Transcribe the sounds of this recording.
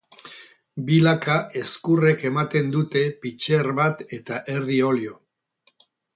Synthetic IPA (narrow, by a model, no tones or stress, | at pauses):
bilakae̞skure̞ke̞mat̪e̞nd̪ut̪e̞pit͡ʃe̞rβat̪e̞t̪aʔe̞ɾðio̞ljo̞